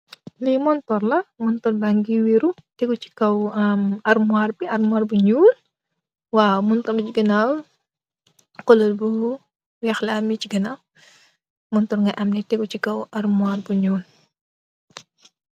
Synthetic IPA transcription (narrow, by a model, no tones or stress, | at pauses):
limɔntɔɾlɐmɔntɔɾbaŋɡiwiɾutɛɡut͡ʃi̥kɐwmɐrmuaːrbiɐrmuwaːrbuɲuːl | waːmɔntɔɾbiciɡɐnaw | kɔləlbu | wɛxlamit͡ʃiɡɐnaw | mɔntɔɾŋɡɐʔɐmnɛtɛɡut͡ʃikɐwɐɾmuarbuɲuːl